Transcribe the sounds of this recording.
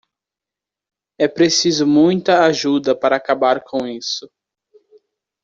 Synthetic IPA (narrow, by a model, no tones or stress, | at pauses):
ɛpɾesizʊmũj̃t̪ɐaʒud̪ɐpaɾɐakabaɾkʰõisʊ